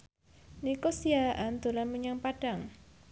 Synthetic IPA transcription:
nikosiaʔand̪̥o̤lanməɲaŋpaɖ̥a̤ŋ

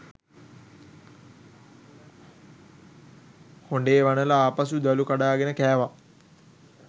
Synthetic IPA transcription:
hoɳɖeːʋanəlaaːpas̬ud̪alukaɖaːɡenəkæːʋa

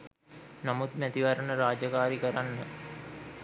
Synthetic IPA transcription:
namut̪mæt̪iʋaɾənəɾaːd͡ʒəkaːɾikəɾanːə

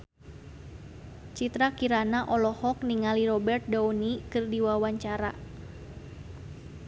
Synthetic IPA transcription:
t͡ʃit̪ɾakiɾanaʔɔlɔhɔk̚niŋaliɾɔbɛrt̪̚daunikɨrdiwawaɲt͡ʃaɾa

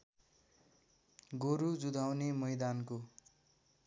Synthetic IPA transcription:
ɡoɾud͡zud̪ʱawnemʌjd̪anko

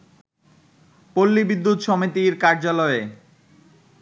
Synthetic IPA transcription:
polːibid̪ːut̪ʃɔmit̪iɾkaɾd͡ʑalɔe

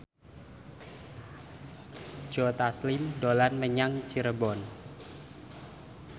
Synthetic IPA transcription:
d͡ʒɔt̪aslɪmdolanməɲaŋt͡ʃiɾəbɔn

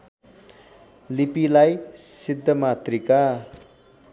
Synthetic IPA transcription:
lipilajsid̪ʱːʌmat̪rika

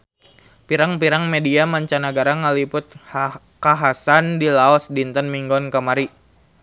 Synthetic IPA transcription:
piɾaŋpiɾaŋmediamaɲt͡ʃanaɡaɾaŋəlipʊt̪̚ | kaɦasandilaɔsdint̪ənmiŋɡɔnkamaɾi

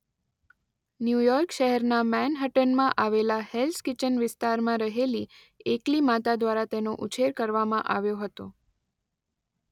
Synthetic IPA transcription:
njujɔɾkʃəɦɛɾnamɛnɦəʈənmãʔaʋelahelskɪt͡ʃənʋɪst̪aɾmãɾəɦeli | eklimat̪ad̪ʋaɾat̪enoʔut͡ʃʰeɾkəɾʋamã̰ʔa̰ʋjoɦət̪o

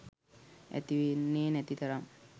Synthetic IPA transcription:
æ̰t̪iʋenːeːnæt̪it̪ɐɾaŋ

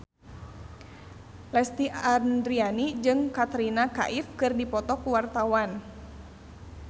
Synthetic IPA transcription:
lɛst̪iʔandɾianid͡ʒɨŋkat̪ɾinaka̰ʔifkɨrdipɔt̪ɔkuwart̪awan

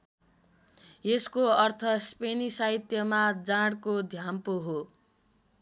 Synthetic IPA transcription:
jeskoʌrt̪ʰʌspenisait̪jʌmad͡zaɽkod̪ʱjampoɦo

